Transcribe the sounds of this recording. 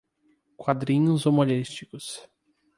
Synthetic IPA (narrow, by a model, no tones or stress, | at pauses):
kwad̪ɾĩɲʊzomolist͡ʃikʊs